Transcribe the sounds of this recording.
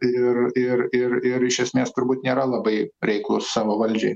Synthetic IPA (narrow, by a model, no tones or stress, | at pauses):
ɪɾɪɾɪɾɪɾɪʃʲɛsʲmʲeːst̪ʊɾbuːt̪nʲeːɾɐlˠɐbɐɪɾʲɛɪklˠʊssɑːʋoːʋɐlʲd͡ʒʲɛɪ